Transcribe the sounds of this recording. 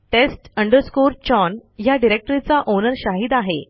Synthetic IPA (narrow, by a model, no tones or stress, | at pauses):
ʈesʈəɳɖəɾskuːɾt͡ɕɔnjaɖiɾek̚ʈəɾit͡saʔonəɾɕaɦiːd̪aɦe